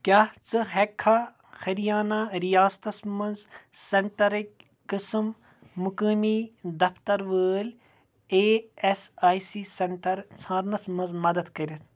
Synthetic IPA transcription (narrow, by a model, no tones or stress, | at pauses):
kʲaːt͡sɨɦekʰːa | xɐɾijaːnaːɾijaːst̪ɐsmɐnzseɳʈɐɾikː | ɨsɨmː | ukəːmiːd̪ɐft̪ɐɾʋəːl | eːesaːjsisɐɳʈɐɾt͡sʰãːɾnɐsmɐnzmɐd̪ɐd̪kɐɾʲɐt̪ʰ